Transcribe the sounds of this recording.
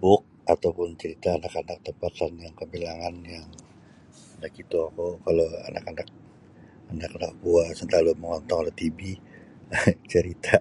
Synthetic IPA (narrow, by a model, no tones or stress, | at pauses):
bʊk̚at̪awpʊnt͡ʃəɾit̪aːnakanak̚t̪əmpat̪anjaŋkəmbilaŋanjaŋ | anakit̪uakokaloa̰na̰kanak̚ | anakanak̚buasənt̪aloməŋɔnt̪ɔŋalɛt̪ibi | t͡ʃəɾit̪ʰa